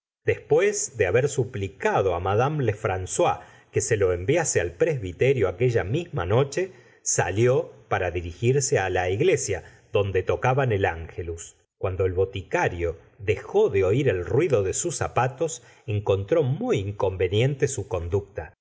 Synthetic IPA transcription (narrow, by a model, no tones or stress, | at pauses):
d̪espwezðeaβeɾsuplikaðo̞amaðamlefɾanswa | keselo̞embjasealpɾezβit̪eɾjo̞ake̞ʒamizma̰no̞t͡ʃe̞ | sa̰ljo̞paɾaðiɾixiɾsealaiɣle̞sja | ðo̞nd̪e̞t̪o̞kaβanelaŋxelus | kwand̪o̞elβo̞t̪ikaɾjo̞ | ðe̞xo̞ðeo̞iɾe̞lrwiðo̞ðesusapat̪o̞s | eŋko̞nt̪ɾo̞mujiŋko̞mbe̞nje̞nt̪esuko̞nd̪uk̚t̪a